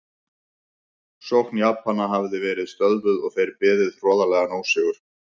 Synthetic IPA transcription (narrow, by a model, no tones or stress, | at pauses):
sowhknjaːphanːaɦavðɪvɛːɾɪðst̪œðlʏðɔɣθejɾpɛːðɪðr̥ɔːðalɛɣanoːwsɪɣʏɾ̥